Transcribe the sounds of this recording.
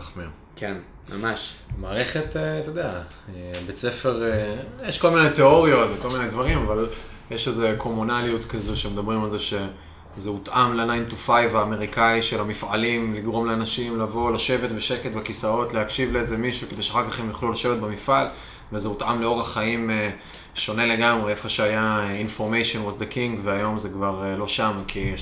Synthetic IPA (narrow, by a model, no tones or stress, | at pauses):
aχmeu | kʰen | ma̰maʃmaːʁeχe̞t̪et̪od̪ea | ebet͡se̞fe̞ʁjeʃko̞lminet̪eo̞ʁio̞tveko̞lminedvaʁimaval | jeʃezekʰo̞munaliut̪kazuʃemed̪abʁimalzeʃe̞ | zeut̪ʔamleanajint̪ufajvaːme̞ʁikaiʃelamifalimliɡʁo̞mleanaʃimlavo̞laʃe̞vet̪beʃe̞ketbakisao̞t̪lehakʃivleezemiʃukedejʃeaχakaχemjiχlulaʃe̞vet̪̚bemifʔal | vezeut̪ʔamle̞o̞ʁaχaime | ʃo̞ne̞leɡamʁeefaʃeajainfo̞ʁmejʃonwazd̪akiŋɡveajo̞mzekvaʁlo̞ʃamkʰi